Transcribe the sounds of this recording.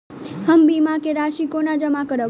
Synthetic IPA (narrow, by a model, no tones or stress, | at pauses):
həmbimãkeɾaʃikonad͡ʒəmakəɾə